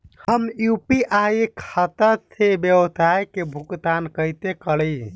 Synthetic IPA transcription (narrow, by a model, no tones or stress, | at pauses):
həmjupiʔaikʰat̪ət̪ʰebəwəsajkebʱukt̪ankəjt̪ekələ